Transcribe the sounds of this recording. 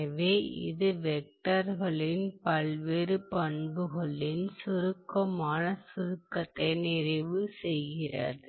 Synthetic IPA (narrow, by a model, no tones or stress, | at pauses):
ɐʋeːɪ̰ðɯʋɛk̚ʈɐɾɣɐɭɪnpɐɭʋeːɾɯpɐɳbɯɣɐɭɪnsʊɾɯkːɐmaːnɐsʊɾɯkːɐt̪ːɐɪnɪɾɐɪʋɯsɛjɣɪrɐ̰ðɯ